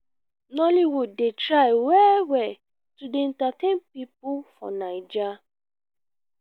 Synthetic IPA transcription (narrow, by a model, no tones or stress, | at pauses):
nɔliwudetɹaɪwɛwɛ | tudeɛ̃ntatẽnpip̚ufɔ̰naɪd͡ʒa